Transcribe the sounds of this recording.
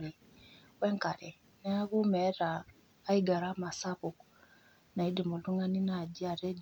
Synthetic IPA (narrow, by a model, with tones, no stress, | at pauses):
ɾi˨ | wɛ˦ŋka˨ɾɛ˨ | nɛ˦a˦ɣu˦mɛ˨˦taː˨˦ | i˦ɡa˨ɾa˦ma˨sa˦βu˨k | na˨i˦di˨mu˨lu˦ŋa˦ni˦na˨ɟi˦a˨ɾɛ˦